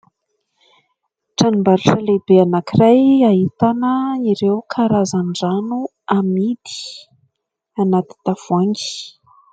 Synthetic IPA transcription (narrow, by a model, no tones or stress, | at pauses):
ʈ͡ʂanimbaɾiʈ͡ʂəlebeanakirajaɦit̪anəiɾewkʰaɾazanɖ͡ʐanu | amid̪i̥ | anat̪i̥t̪afuaŋɡi̥